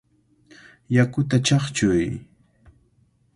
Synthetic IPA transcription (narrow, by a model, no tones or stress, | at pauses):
jakʊt̪at͡ʃɑχt͡ʃʊj